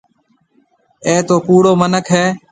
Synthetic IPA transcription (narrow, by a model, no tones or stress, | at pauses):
eːt̪oːkuːɽoːmənəkʰɦeː